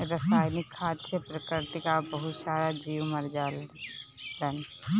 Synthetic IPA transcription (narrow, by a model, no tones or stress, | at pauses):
ɾəsaːjnɪkʰːaːd̪sepɾəkɪɾt̪ikabəɦʊt̪saːɾad͡ʒiːwməɾd͡ʒaːl | lən